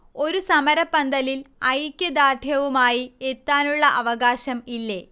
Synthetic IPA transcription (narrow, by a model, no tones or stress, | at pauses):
o̞ɾusɐmɐɾɐpːɐnd̪ɐlilɐjkʲːɐd̪aːʈʰjɐʋumaːjiet̪ːaːnuɭːɐʔɐʋɐɣaːɕɐmilːe̞